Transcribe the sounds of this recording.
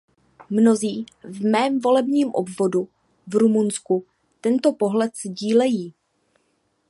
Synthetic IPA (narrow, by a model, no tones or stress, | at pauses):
mno̞ziːvmɛːmvo̞lɛbɲiːmʔobvo̞du | vɾumunsku | t̪ɛnt̪o̞po̞ɦlɛt̪zɟiːlɛjiː